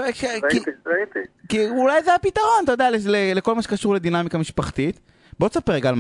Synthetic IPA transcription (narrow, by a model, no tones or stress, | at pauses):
kkiiit̪ikiulajzeapit̪aʁo̞nt̪ajod̪ealeleleko̞lmaʃekaʃuʁled̪inamikamiʃpaχt̪it̪ | bot̪sapeʁeɡaːlm